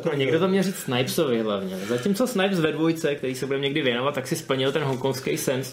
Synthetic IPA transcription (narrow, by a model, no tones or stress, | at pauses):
noɲɛɡdot̪omɲɛlrit͡ssnajpsovɪɦlavɲɛzacimt͡sosnajpsvɛdvojt͡sɛk̚t̪ɛɾiːsɛbudɛmɲɛɡdɪvjɛno̞vat̪t̪ːaksɪspl̩ɲɪlt̪ɛnɦoŋkonfskejsɛns